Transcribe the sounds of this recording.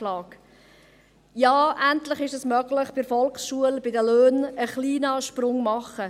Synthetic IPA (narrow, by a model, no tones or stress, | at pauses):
lɑːk | jɑːʔæntlɪχɪʃɛsmœɡlɪχb̥ɪɾfɔlksʃuəlbɪdəløːnəχliːnɑʃpɾʊŋmɑχə